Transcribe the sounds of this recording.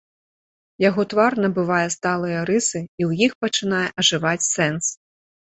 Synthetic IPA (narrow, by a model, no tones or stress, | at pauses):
jaɣɔt̪varnɐbɨvajɛst̪alˠɨjɐɾɨsɨiwjixpɐt͡ʂɨn̪ajɛʔɐʐɨvat͡sʲsɛns